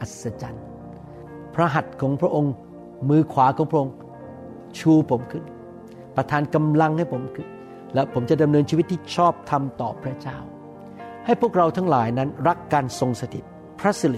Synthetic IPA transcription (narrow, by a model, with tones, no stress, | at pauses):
ʔa˨˩t̪̚sa˧t͡ɕa˧n | pʰɾa˦˥ɦa˨˩t̪̚kʰɔː˩˦ŋpʰɾa˦˥ʔo˧ŋ | mɯː˧kʰwaː˩˦kʰɔː˨˩˦ŋpʰɾa˦˥ʔo˧ŋ | t͡ɕʰuː˧pʰo˩˦mkʰɯ˥˩n | pɾa˧t̪ʰaː˧nka˧mla˧ŋha˥˩jpʰo˩˦mkʰɯ˥˩n | lɛː˦˥wpʰo˩˦mt͡ɕa˨˩da˧mnɤː˧nt͡ɕʰiː˧˦i˦t̪ʰːiː˥˩t͡ɕʰɔː˥˩p̚t̪ʰa˧mt̪ɔː˨˩pʰɾa˦˥t͡ɕaː˥˩w | ha˥˩jpʰu˥˩ək̚ɾa˧wt̪ʰaː˦˥ŋlaː˩˦jna˦˥nɾa˦˥kːaː˧nso˧ŋsa˧t̪ʰi˨˩ | pʰɾa˦˥si˨˧l